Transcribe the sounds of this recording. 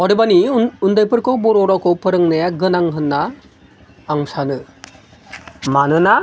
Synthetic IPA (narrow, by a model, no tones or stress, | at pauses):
ɔɾebaniund̪ajpəɾkoboɾoɾɔkopəɾəŋnɐjaɡənaŋɦənːaː | ŋsanɯ | manɯna